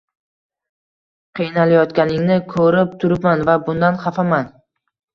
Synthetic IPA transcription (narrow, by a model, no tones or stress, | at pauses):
qʰijnalajɒt̪kʲanɪŋnɪkʰɵɾɪp̚t̪ʰʊɾɪpmanvabʊnd̪anχafaman